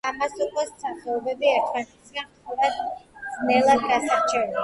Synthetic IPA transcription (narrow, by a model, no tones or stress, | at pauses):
amasuqʼɔst̪sʰaχɛɔbɛbiɛɾt̪ʰmanɛt̪sʰiamɔvad̪d̪z̥nɛlˠad̪̚ɡasaɾt͡ʃʰɛɾ